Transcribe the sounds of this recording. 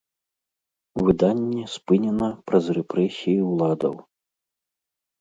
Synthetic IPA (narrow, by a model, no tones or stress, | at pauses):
vɨd̪anʲːɛspɨnʲɛnɐpɾɐzrɛpɾɛsʲijiwlˠad̪ɐ̰w